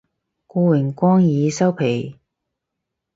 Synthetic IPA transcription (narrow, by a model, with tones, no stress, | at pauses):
kuː˧wɪ˨˩ŋkʷɔː˥ŋjiː˨˧sɐ˥wpʰe˨˩j